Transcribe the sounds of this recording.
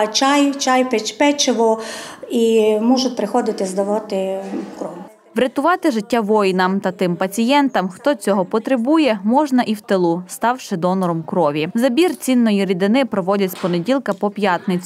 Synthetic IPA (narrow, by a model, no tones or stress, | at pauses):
t͡ʃɑjt͡ʃɑjpet͡ʃpɛt͡ʃɪʋɔimɔʒʊt̪̚ʲpɾɪxɔd̪ɪt̪ɪzd̪ɐʋɑt̪ɪkɾɔʋʊ | ʋɾʲɐt̪ʊʋɑt̪ɪʒɪtʲːaʋɔjnɐmt̪ɐt̪ɪmpɐt͡sʲijɛnt̪ɐmxt̪ɔt͡sʲɔɦɔpɔt̪ɾebujɛmɔʒnɐʔiwt̪elˠust̪ɑwʃɪd̪ɔnɔɾɔmkɾɔʋʲizɐbʲirt͡sʲinːɔjiɾʲid̪ɪnɪpɾɔʋɔdʲɐt͡sʲpɔnedʲilˠkɐpɔpjɑt̪nɪt͡sʲ